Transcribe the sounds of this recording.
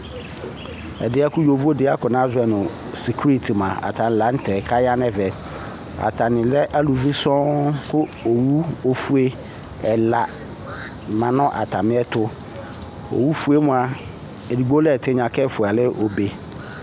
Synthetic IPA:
ɛ̰˨dɪ˦a˦kʊ˦jo˨vu˦o˦dɪ˦a˦kʊ˨nã˦zʊ˨˦ɛ˨nʊ̃˨ | si˨kʰɾi˦tʰmã˨a̰˨tʰã˨n̩˨la˨n̩˦tʰɛ˨kʰa˦ja˦nɛ˦vɛ˨ | a̰˨tʰa˨nɪ̃˨lɛ˦ʔa˦lu˨vi˦sɔ̃˦kʰʊ˦o˨wu˦o˦fu˦e˦ | ɛ˨la˨ | mã˨nʊ̃˦ʔa̰˨tʰa˨mɪ̃˦ɛ˦tʰʊ˦ | o̰˨wu˦fu˦e˦mʊ̃˨a˨ | ɛ˨di˨ɡ͡bo˦lɛ˦˨tʰɪ˦ɲã˨kʰɛ˦˨fʊ˨a˨lɪ˦ʔo˨be˨

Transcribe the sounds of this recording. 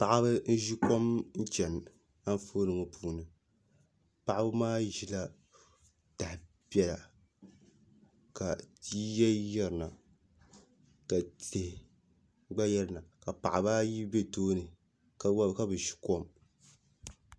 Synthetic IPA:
pa˨ʔa˦bɨ˦n̩˦ʒi˦ko˦mn̩˦t͡ʃɛ˨n | a˦n˦foː˦nɨ˨ŋɨ˨pʰuː˦˨nɨ˨ | pa˨ʔa˦bɨ˦maː˦ʒi˨la˦ | ta˨h | pɛ˦la˨ | ka˨ti˦jɛ˦jɛ˦ɾna˨ | ka˨te˨hɪ˨ | ɡ͡ba˦jɛ˦ɾɨ˨na˨ka˨pa̰˨ʔa˨ba˦ji˦be˦toː˦nɨ˨ | kka˦bɨ˨ʃi̥˦ko˦m

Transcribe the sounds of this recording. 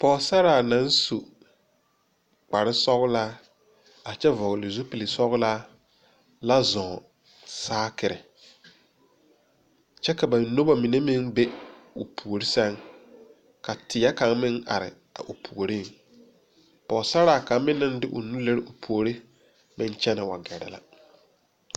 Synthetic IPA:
pɔː˨˦sa˦ɾaː˨na˨˦n˦su˨ | k͡pa˨ɾɪ˦sɔ˦ɣʊ˦laː˦ | a˨t͡ʃɛ˦vɔ˨ɣɪ˨lɪ˨zu˦pi˨li˨sɔ˦ɣʊ˦laː˦ | la˦zɔ̃˨ | saː˦kɪ˨ɾɪ̰˨ | t͡ʃɛ˦ka˨ba˨nːo˦ba˦mi˨ne˦mɪ˦ŋbe˦ | ʊ˨pʰu˨o˨ɾi˦sa˦ŋ | ka˨tʰɪ˨˦a˦ka˨˦ŋ˦mɪ˦ŋa̰˨ɾɪ̰˨ | a̰˨ʔʊ˨pʰu˨o˨ɾi˦ŋ | pɔ˨sa˦ɾaː˨ka˨˦ŋmɪ˦nːɪ˦n˦dɪ˦ʔʊ̰˨nu˦le˦ɾɪ˦ʔʊ˨pʰu˨o˨ɾi˦ | mɪ˦n˦t͡ʃɛ˦nɪ˨wa˨ɡɛ˨ɾɪ̰˨la̰˦

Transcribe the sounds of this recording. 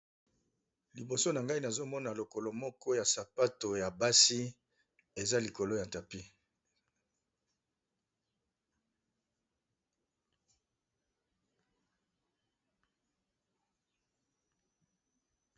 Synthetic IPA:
li˨bo˨so˦na˨ŋɡa˦i˦na˨zo˦mɔ˦na˨lo˨ko˨lo˨mɔ˦kɔ˦ja˨sa˨pa˦to˨ja˨ba˦si˦ | e˨za˦li˨ko˨lo˦ja˨ta˨pi˦

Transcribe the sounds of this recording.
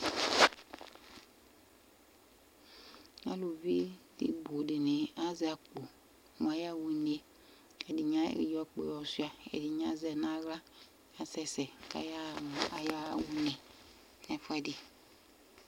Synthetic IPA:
a̰˦lu˨vi˦dḭ˨bo˨di˨nĩ˨a˦zɛ˨a˨k͡po˨ | m˨a˨ja˦˨wu˨˦ne˦ | ɛ˨di˨ɲã˦˨jɔ˦k͡pḛ˨jɔ˨su˦a˨ɛ̰˨di˨ɲ˦ã˦zɛ˨nã˦ɣla˦ | a˨sɛ˦sɛ˨ka̰˨˦ja˦˨a˨ja˦˨wu˦ne˨ | nɛ˨fa˦di˨

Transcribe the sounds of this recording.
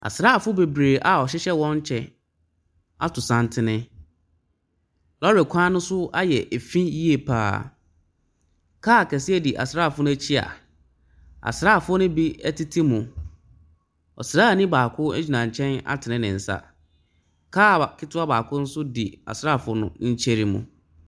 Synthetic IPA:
a̰˨sɾa˦˨fʊ˦be˨bɾeː˨ʔa˨ɔ˨ɕɪ˦ɕɛ˦wɔ̃˦ɲ˦t͡ɕʰɛ˦ | a̰˨tʰʊ˨sã˨ntʰɪ˦nɪ̃˦ | lɔ˦ɾɛ˨kʷʰãː˦nʊ̃˦sʊ˦a˦jɛ˨ʔe˨fĩ˦ji˦e˨pʰa̰ː˨˦˨ | kʰaː˦˨kʰɛ˨sɪ˦ɛ˦di˨ʔa̰˨sɾaː˦˨fʊ˦nʊ̃˦æ˦t͡ɕʰi˦a̰˨ | a̰˨sɾa˦˨fʊ˦nʊ̃˦bi˦æ˦ti˦tʰi˦mʊ̃˨ | ɔ̰˨sɾaː˦˨nĩ˦baː˨kʰʊ˦ɛ˦d͡ʑᶣi˨nã˨ɲ˨t͡ɕʰɛ̃˦na̰˦tʰɪ˨nɪ̃˦nɪ̃˨n̩˨sa̰˦ | kʰaː˦˨kʰɪ˦tʊ˦a˦baː˨kʰʊ˦n̩˦sʊ˦dḭ˨a̰˨sɾa˦˨fʊ˦nʊ̰̃˦ɲ̩˦t͡ɕʰɛ˦ɾi˦mṵ̃˨

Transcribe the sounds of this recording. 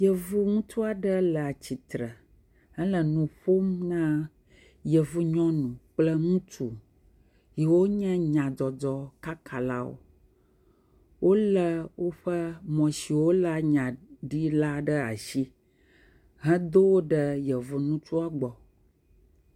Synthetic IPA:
jə˨vu˦ŋũ˦t̪u˦a˨ɖə˦lə˨a˨t͡ɕi˨t̪ɾə˨ | ə˦lə˨nũ˨ɸo˦mnã˦ | jə˨vu˦ɲɔ̃˦nũ˨k͡plə˦ŋũ˦tu˨ | ji˨wo˦ɲɛ̃˦ɲã˨d͡ʒɔ˨d͡ʒɔ˦ka˦kʰa˨la̰˦wo̰˦ | wʔo˦lə˦wo˦ɸə˦mɔ̃˨si˨wo˦la˦ɲã˨ɖi˦la˦ɖə˦a̰˨ʃi˦ | ɦɛ̃˦d̪o˦wo˦ɖə˦jə˨vu˨nũ˦t͡ʃu˦a˨ɡ͡bɔ˨

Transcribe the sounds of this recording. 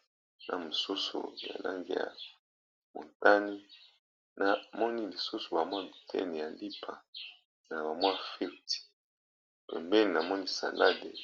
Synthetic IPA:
na̰˨mu˨su˦sṵ˨ja̰˨la̰˦ŋɡḭ˨ja̰˨ | mo̰˨nta˦ni˦ | na˨mɔ˦ni˦li˨su˦su˨ba˨mwa˦bi˨tʰɛ̰˦nɛ˨ja˨li˦pʰa˨ | na˨ba˨mwa˦fi˦˨tʰi̥˨ | pɛ̰˨mbɛ˦ni˨na˨mɔ˦ni˦sa̰˨lʔa˦dḛ˨

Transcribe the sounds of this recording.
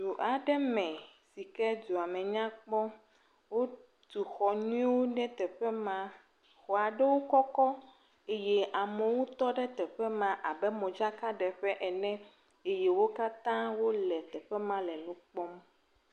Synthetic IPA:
d̪u˨ʔa˨ɖɛ˦mɛ̃˨si˨kɛ˦d̪u˨a˨mɛ̃˨ɲã˦k͡pɔ˦ | wo˦ | t̪u˨xɔ˨ɲũ˦ĩ˦wo˦nɛ̃˦t̪ɛ˨ɸɛ˦mã˦ | xɔ˨a˨ɖɛ˦wo˦kɔ˦kɔ˦ | e˦jɛ˦ʔa˨mɛ̃˨wo˦t̪ɔ˦ɖɛ˦t̪ɛ˨ɸɛ˦mã˦ʔa˨bɛ˦mõ˨d͡ʒa˦ka˦ɖɛ˨ɸɛ˦ʔɛ˨nɛ̃˦ | e˦je˦wo˦ka˦t̪ã˦wo˦lɛ˨t̪ɛ˨ɸɛ˦mã˦lɛ˨nũ˦k͡pɔ˦m

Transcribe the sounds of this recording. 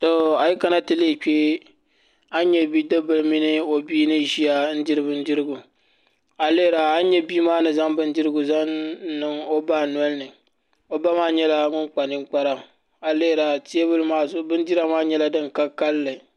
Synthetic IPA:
to˨a˨ji˦ka˨na˦tɨ˨leː˦˨k͡peː˦ | a˦ɲɛ˦bi˦dɨ˦bɨ˨lmi˦nɨ˦o˨biː˦nɨ˦ʒi˦a˦n̩˦di˦ɾɨ˦bɨ˦n̩˦di˦ɾɨ˦ɡu˨ | a˨le˦˨ɾa˨a˦ɲɛ˦bi˦maː˦nɨ˨za˦ŋbɨ˦n̩˦di˦ɾɨ˦ɡʊ˨za˦nɨ˦ŋo˦ba˦˨n˦ɔ˦lnɨ˨ | o˦ba˦maː˦ɲɛ˦la˦ŋʊ˦ŋk͡pa˨nɨ˦ŋ͡mk͡pa˦ɾa˦m˨ | a˨le˦˨ɾa˨ti˦e˦βɨ˦lɨ˦maː˦zbɨ˦n˦di˦ɾa˦maː˦ɲɛ˦la˦dɨ˦ŋ˨ka˦ka˦lːɨ˨

